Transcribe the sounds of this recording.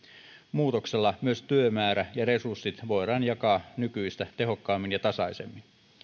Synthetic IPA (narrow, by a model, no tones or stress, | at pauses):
muːt̪okselːɑmyøst̪yømæːɾæjɑre̞sursːit̪ʋo̞jɾɑːnjɑkɑːnykyijst̪æt̪e̞ɦo̞kːɑːmːinjɑt̪ɑsɑisemːin